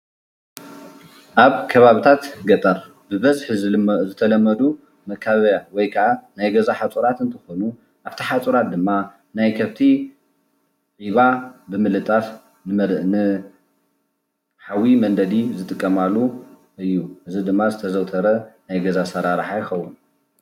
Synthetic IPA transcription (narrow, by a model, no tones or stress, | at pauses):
ʔaβkʰɐβaβit̪ʰat̪ɡɐt̪ʼɐɾ | bɨβɐzħizzɨt̪ʰɐlɐmːɐd̪u | mɐkʰaββjawɔjkʰɐʔanajɡɐzaħat͡sʼuɾat̪ɨnt̪ʰɐxonu | ʔaβt̪ʰiħat͡sʼuɾat̪̚d̪ɨmːa | najkʰɐβt̪ʰi | ʔʼiβabɨmɨlɨt̪ʼaf | nɨmɐnɨ | ħawimɐnd̪ɐd̪izɨt̪ʼɨkʼːɐmalːu | ɨjːuʔɨzid̪ɨmːazɨt̪ʰɐzɐwt̪ʰɐɾɐnajɡɐzasɐɾaɾħajɪxɐwːun